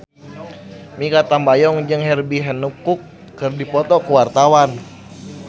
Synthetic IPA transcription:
mikat̪ambajɔŋd͡ʒɨŋɦɛrbiɦɛnukukː | ɨrdipɔt̪ɔkuwart̪awan

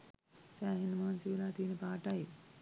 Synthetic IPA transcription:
saːɦinmaːnsiʋɐlaːt̪iːnɐpaːʈɐj

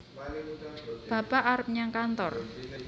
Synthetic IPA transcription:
b̥a̤paʔaɾəp̚ɲaŋkant̪ɔr

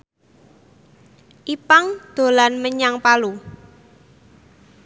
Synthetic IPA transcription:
ʔipaŋd̪̥o̤lanməɲaŋpalu

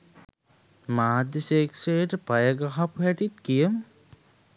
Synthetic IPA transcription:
maːd̪jəseːksejəʈəpajəɡaɦapuɦæʈit̪̚kijəmə

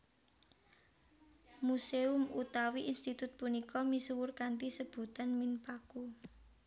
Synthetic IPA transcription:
museʊmut̪awiʔinst̪it̪ʊt̪̚punikɔmisuwʊrkant̪isəb̥ṳt̪anminpaku

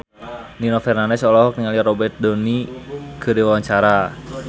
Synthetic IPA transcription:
ninɔfɛrnanɛsɔlɔɦɔk̚niŋaliaɾɔbɛrt̪̚dɔnikədiwawaɲt͡ʃaɾa

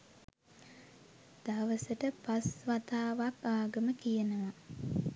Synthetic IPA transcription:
d̪̥aʋəsəʈəpasʋat̪aːʋakaːɡəməkijənəʋa

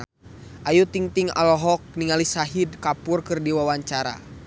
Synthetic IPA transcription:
ʔajut̪iŋt̪iŋa̰lɔɦɔk̚niŋalisaɦidkapurkɨrdiwawaɲt͡ʃaɾa̰

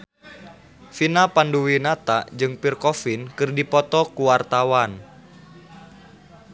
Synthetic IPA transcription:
finapanduwinat̪aʔd͡ʒɨŋpirkɔfinkɨrdipɔt̪ɔkuwart̪awan

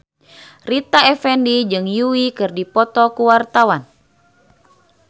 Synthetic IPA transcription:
rit̪aɛfɛndid͡ʒɨŋjuwikɨrdipɔt̪ɔkuwart̪awan

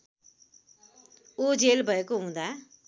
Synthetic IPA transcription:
od͡ʒeːlbʱəekoɦũːnd̪aɦɛ

